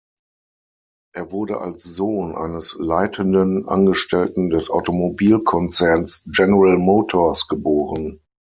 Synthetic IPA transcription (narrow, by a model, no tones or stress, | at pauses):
ʔeːɐvʊɐdəʔa̰lsz̥oːnʔa̰ɪnəslaɪtʰəndənʔa̰nɡəʃtɛltn̩dɛsʔa̰ʊtomobiːlkʰɔnt͡sɛɐnsd͡ʒɛnəʁalmoːtʰoːɐsɡ̥əboːʁən